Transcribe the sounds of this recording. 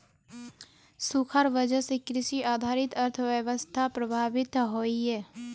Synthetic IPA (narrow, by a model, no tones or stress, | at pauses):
sukʰaɾʋəd͡ʒəsekɾɪʃiaːd̪ʱaːɾɪt̪əɾt̪ʰʋjəʋəst̪ʰapɾəbʱaːʋɪt̪ɦoːiɦɛː